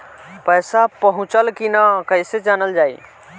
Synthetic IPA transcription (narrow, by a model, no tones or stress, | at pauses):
pəjsapəɦũt͡ʃəlkinakəɪsed͡ʒanəld͡ʒaːḭ